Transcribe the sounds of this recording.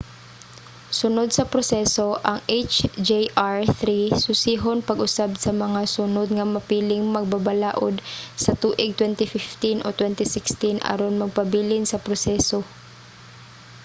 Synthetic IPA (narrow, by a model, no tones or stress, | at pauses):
sʊnod̪sɐpɾosɛsoʔɐŋejt͡ʃd͡ʒeʔaɹθɾisʊsiːɦonpɐɡʔʊsabsɐmɐŋasʊnod̪ŋɐmɐpiːlɪŋmɐɡ̚babalaːʔod̪̚sɐt̪uːʔɪɡ̚t̪wɛnt̪ɪfɪft̪ɪnʔot̪wɛnt̪ɪsɪkst̪ɪnʔɐ̰ɾonmɐɡ̚pɐbiːlɪnsɐpɾosɛːso